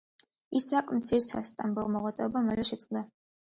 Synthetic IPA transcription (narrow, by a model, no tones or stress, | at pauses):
isakʼmt̪sʰiɾsa̰st̪ʼambulˠmɔʁwat̪sʼɛɔbamɛlɛʃɛt̪sʼqʼd̪a